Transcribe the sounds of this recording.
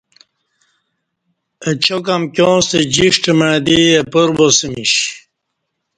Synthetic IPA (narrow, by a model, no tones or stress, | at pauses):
ət͡ɕokamkjõːst̪ed͡ʑiʂʈəməɻd̪iepuɾbosəmiɕ